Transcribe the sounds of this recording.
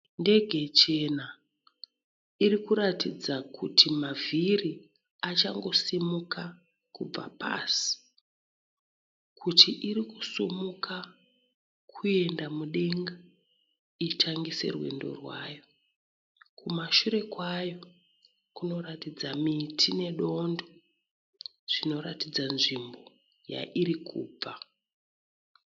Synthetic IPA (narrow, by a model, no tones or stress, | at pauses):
nde̞ɡʱe̞t͡ʃe̞na | iɾikuɾatid͡zakʰutʰimavʱiri | at͡ʃaŋɡo̞simuka | kub͡va̰pa̰ːsi̥ | kʰutʰiʔiɾikusumuka | kʰue̞ndamuɗe̞ŋɡa | itʰaŋɡise̞̰rwe̞̰ndo̞̰rwa̰jo̞ | kumaʃuɾe̞kwajo̞ | kuno̞ɾatid͡zamitʰine̞ɗo̞ndo | ʐ̥ino̞ɾatid͡zanʐimbo̞ | ja̰ʔiɾikʰṵːb͡va